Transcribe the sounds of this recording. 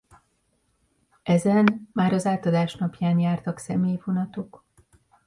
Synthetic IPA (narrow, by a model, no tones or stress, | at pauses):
ɛzɛnmaːɾɒzaːt̪ɒd̪aːʃnɒpjaːnjaːrt̪ɒksɛmeːjvo̞nɒt̪o̞k